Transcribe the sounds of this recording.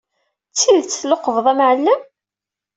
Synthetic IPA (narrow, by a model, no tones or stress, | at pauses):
t͡sːilt͡sːloqəvðˤæmʕəlːəm